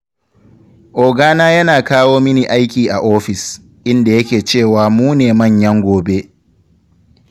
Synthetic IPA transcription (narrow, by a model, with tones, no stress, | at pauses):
ʔoː˨ɡaː˦naː˦jɐ˦naː˨kaː˦woː˦mɪ˦ni˨ʔa˦jkʲiː˨ʔa˨ʔoː˦ɸɪ˨s | ʔɪ˦nda˨jɐ˦kʲeː˨t͡ʃeː˦˨waː˨muː˦neː˨mɐ˦˨ɲjɐ˦ŋɡʷoː˨be˦